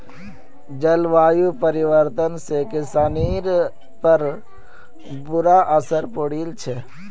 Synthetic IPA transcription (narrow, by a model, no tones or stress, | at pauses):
d͡ʒəlʋaːjupəɾɪʋəɾt̪ənsekɪsaːniːɾ | pəɾ | bʊɾaʔəsəɾpoɽiːlt͡ʃʰɛ